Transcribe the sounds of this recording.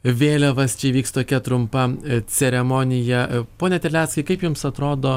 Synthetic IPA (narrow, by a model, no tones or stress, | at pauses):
ʋʲeːlʲɛʋɐst͡ʃʲɛʋʲiːkst̪oːkʲɛt̪ɾʊmpɐt͡s̪ʲɛɾʲɛmoːnʲɪjɛpoːnʲɛt̪ʲɛlʲæːt̪skɐɪkɐɪpjʊmsɐt̪ɾoːd̪oː